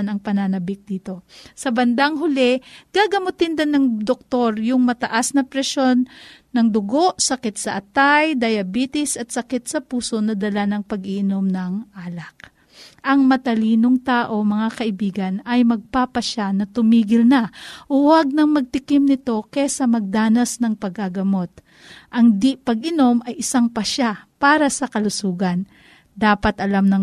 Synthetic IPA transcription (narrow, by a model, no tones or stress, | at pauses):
nɐŋpɐnanɐbɪk̚d̪iːt̪o̞sɐbɐnd̪aŋɦʊlɛɡ̥aɡɐmʊt̪ɪnd̪ɐnɐŋd̪ok̚t̪o̞ɾjʊŋmɐt̪ɐʔasnɐpɾɛʃo̞nː | ɐŋd̪ʊɡo̞ʔsɐkɪt̪̚sɐʔɐt̪ajd̪ɐjɐbiːt̪ɪsʔɐt̪̚sɐkɛt̪̚sɐpuːso̞nɐd̪ɐlanɐŋpɐɡɪʔɪno̞mnɐŋʔaːlɐk̚ | ʔɐŋmɐt̪ɐliːnoŋt̪aːʔo̞mɐŋakɐʔɪbiːɡɐnɐjmɐɡ̚papɐʃanɐt̪ʊmiːɡɪlnaʔʊwaɡ̚nɐŋmɐɡ̚t̪ɪkɪmnɪt̪o̞kɛsɐmɐɡ̚d̪aːnɐsnɐŋpɐɡaɡɐmo̞t̪̚ | ʔɐŋd̪ipɐɡɪno̞mʔɐjʔɪsaŋpɐʃapaːɾɐsɐkɐlʊsuːɡɐn | d̪aːpɐt̪ʔɐlamnɐŋ